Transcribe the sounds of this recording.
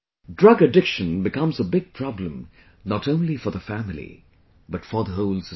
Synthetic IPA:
dɹʌɡɨdɪkʃɨ̃nbɨkʰʌ̃mzəbɪɡ̚pʰɹ̥ɑblə̃m | nəɾõʊ̃nlifə˞ðəfæmɪlḭ | b̥ʌtfəðəɦoʊlˠsə

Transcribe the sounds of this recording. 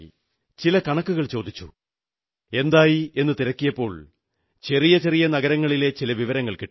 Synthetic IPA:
t͡ɕilɐkɐɳɐkːuɣɐɭt͡ɕo̞ːd̪it͡ɕːṵ | e̞nd̪aːjie̞nːɨt̪iɾɐkːijɐpːo̞ːɭ | t͡ɕe̞rijɐt͡ɕe̞rijɐnɐɣɐɾɐŋːɐɭile̞t͡ɕilɐʋiʋɐɾɐŋːɐɭkiʈːu

